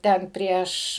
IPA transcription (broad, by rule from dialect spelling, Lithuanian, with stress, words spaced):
ˈtʲɛn ˈpʲrʲiɛʃ